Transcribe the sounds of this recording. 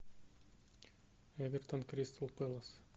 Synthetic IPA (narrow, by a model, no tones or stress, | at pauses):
ɛʋʲɪɾt̪ɔnkɾʲɪst̪lˠpɨlˠɐs